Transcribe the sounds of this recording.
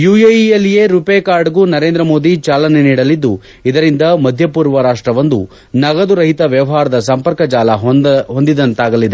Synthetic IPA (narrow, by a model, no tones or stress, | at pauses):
juːejiɐlːije̞ːɾupekaːɾɖɐɡunɐɾe̞ːnd̪ɾɐmo̞ːd̪it͡ʃaːlɐneniːɽɐlid̪ːu | id̪ɐɾind̪ɐmɐd̪ʱjɐpuːɾʋɐɾaːʂʈɾɐʋɐnd̪u | nɐɡɐd̪uɾɐɦit̪ɐʋjɐʋɐɦaːɾɐd̪ɐsɐmpɐɾkɐd͡ʒaːlɐɦond̪id̪ɐnt̪aːɡɐlid̪e